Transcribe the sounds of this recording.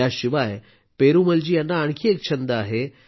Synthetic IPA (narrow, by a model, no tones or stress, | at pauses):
aɕiʋaj | peɾuməld͡ʑiːjanːaːɳkʰiːek̚t͡ɕʰənd̪əaɦe